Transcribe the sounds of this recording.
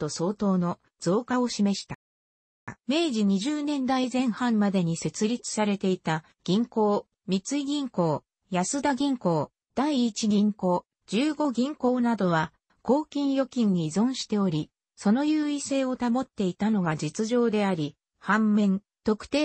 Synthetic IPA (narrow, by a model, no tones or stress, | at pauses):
t̪o̞so̞ːt̪o̞ːno̞ | d͡z̥o̞ːkao̞ɕime̞ɕi̥t̪a | me̞ːʑiɲ̟iʑɨːnẽ̞nd̪aizẽ̞ɰ̃hãmmad̪e̞ɲ̟ise̞t͡sɨɾʲit͡sɨ̥saɾe̞t̪e̞it̪a | ɡ̥ʲĩŋko̞ː | mʲit͡sɨiɡʲĩŋko̞ː | jasɨd̪aɡʲĩŋko̞ː | d̪̥aiːt͡ɕiɡʲĩŋko̞ː | d͡ʑɨːɡo̞ɡʲĩŋko̞ːnad̪o̞βa | ko̞ːkʲĩɰ̃jo̞kʲĩɲ̟ːiːzõ̞ɰ̃ɕi̥t̪e̞o̞ɾʲi | so̞no̞jɯːise̞ːo̞t̪amo̞t̪ːe̞it̪ano̞ɡad͡ʑit͡sɨʑo̞ːd̪e̞aɾʲi | hãmːẽ̞n | t̪o̞kɯ̟̥t̪e̞ː